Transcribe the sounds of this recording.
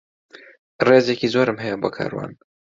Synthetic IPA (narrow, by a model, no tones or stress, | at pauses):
reːzecizoɾɨmɦɛjɛboːkʰa̰ːɾwa̰ːn